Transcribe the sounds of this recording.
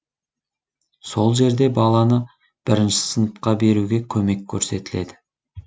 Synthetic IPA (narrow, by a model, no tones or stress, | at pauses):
so̞lˠʒe̞ɾd̪e̞bɑlˠɑnə | b̥ɪɾɪnʃɪ̥sənəp̪qɑbe̞ɾuɡʲe̞kʲʰɵme̞kʲʰːɵɾse̞t̪ɪle̞d̪ɪ